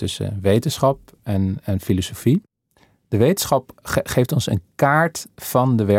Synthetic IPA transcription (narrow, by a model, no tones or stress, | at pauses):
tɵsə̰ʋejtənsχɑp | ɛnɛnfilosofi | d̥əʋejtənsχɑpχejftɔnsə̰nkaːɹtfɑndəʋɛ